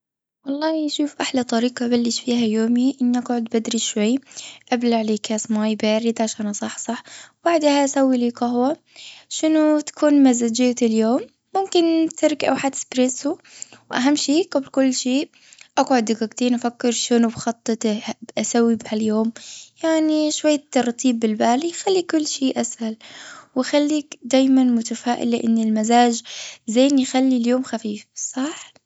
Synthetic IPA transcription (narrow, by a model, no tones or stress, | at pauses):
wɑlˤːɑːhiaʃuːfʔaħlat̪ˤɑɾiːqɑbalːɪʃfiːhajoːmiʔɪnːiʔaɡʕʊd̪bad̪ɾiʃwajːʔablaʕleːkaːsmaːjbaːɾɪd̪ʕaʃaːnɑsˤɑħːsˤɑħbaʕd̪haʔasawːiliːqɑhwa | ʃɪnʊt̪ḁkʰuːnmazad͡ʒɪːt̪ɪljoːmː | ʊmkɪnt̪ʰɪɾkʔa̰wħat̪spɾɪsuwʔaɦamːʃiːɡablkʊlːʃiːʔ | ʔaɡʕʊd̪ɪkaɡt̪iːnʔafakːɪɾʃɪnʊbxɑt̪ˤːɨt̪bʔasawːibhaljoːmjaʕniʃwajːat̪ːɑrˤt̪iːbːɪlbaːlixalːikʊlːʃiːʔashalwʔxalːiːkd̪aːjmanmʊt̪afaːʔɪ̰lːɪʔɪnːɪlmazaːd͡ʒzaːnjxalːiljoːmxafiːfsˤɑħ